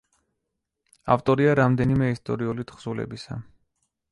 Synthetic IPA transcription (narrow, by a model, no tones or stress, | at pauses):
a̰ft̪ʼɔɾiaɾamd̪ɛnimɛist̪ʼɔ̰ɾiulit̪ʰχz̥ulɛ̰bisa̰